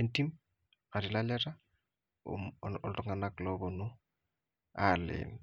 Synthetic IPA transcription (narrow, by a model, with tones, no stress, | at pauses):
enti˦m | a˨ɾɪ˨la˦lɛ˦ɾa̰˦ | ɔltɔ˦ŋa˨na˦klɔbɔ˨nʊ˦ | alɪ̰˨n